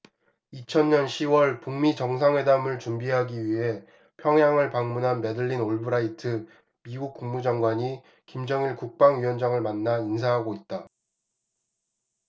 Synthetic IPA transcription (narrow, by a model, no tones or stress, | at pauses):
it͡ɕʰʌnɲʌnɕʰiwʌɭpuŋmit͡ɕʌŋsʰaŋwe̞damɯɭt͡ɕumbiɦaɡiɥiɦe̞ | pʰjʌŋjaŋɯɭpaŋmunɦanme̞dɯɭːinoɭbɯɾaitʰɯ | miɡuk̚k͈uŋmud͡ʑaŋɡwaɲi | kimd͡ʑʌŋiɭkuk̚p͈aŋɥiwʌnd͡ʑaŋɯɭmanːains̬ʰaɦaɡoit̚t͈a